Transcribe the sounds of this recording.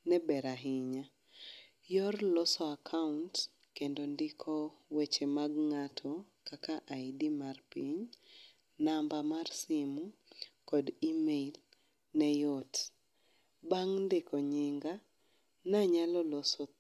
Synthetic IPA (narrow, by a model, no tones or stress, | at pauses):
nɛbɛɾaɦɪɲa | jɔrlɔsɔakʰaunt | kendondɪkʰɔwet͡ʃemaɡŋatʰɔ | kakaʔaidimarpiɲ | nambamarsɪmu | kɔdimeil | nɛjɔt | baŋndɪkɔɲɪŋɡa | naɲalɔlɔsɔ